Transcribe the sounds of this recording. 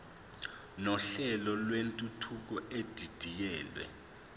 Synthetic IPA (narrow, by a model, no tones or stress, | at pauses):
nɔɬɛlɔlwentʼutʰuk̬ʼɔʔed̥ʱid̥ʱijɛːlwɛ̰